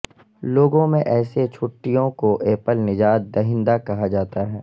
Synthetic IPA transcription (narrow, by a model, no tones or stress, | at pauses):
loːɡõmẽʔɛːset͡ʃʰʊʈːijõkoʔeːpəlnɪd͡ʒaːt̪̚d̪ɐɦɪ̃nd̪akɐɦad͡ʒaːt̪aɦɛː